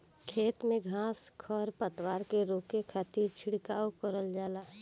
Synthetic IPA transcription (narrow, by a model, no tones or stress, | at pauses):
kʰeːt̪mẽɡʱãːskʰɔːɾpət̪waːɾkeɾoːkekʰat̪iːɾt͡ʃʰɪɽkaːokəɾəld͡ʒaːlaː